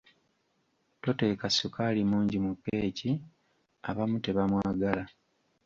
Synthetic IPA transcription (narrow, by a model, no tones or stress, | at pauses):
to̞te̞ːkasukʰalimuːɲɟimukːe̞ːci | a̰βamute̞βamwaːɡala